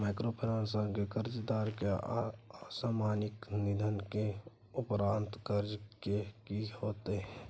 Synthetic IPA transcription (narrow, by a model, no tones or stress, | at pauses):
mɛːkɾoːpʰɪɾãːnsə̃ŋkekəɾd͡ʒd̪aːɾkeasaːmaːnɪknɪd̪ʱənke | ʊpɾãːnt̪kəɾd͡ʒkekihoːt̪eɦɛ̃ː